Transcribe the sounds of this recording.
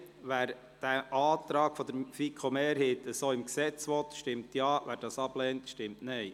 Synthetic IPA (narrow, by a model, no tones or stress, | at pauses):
ʋæːɾ | d̥æːʔɑːt̪ɾɑːɡ̥fɔd̪əɾfikʰomeːɾheːt̪əsoːɪmksɛt͡sʋɔt̪ʃtɪmt̪jɑːʋæːɾd̥ɑːsɑb̥lɛːntʃtɪmtnɛɪ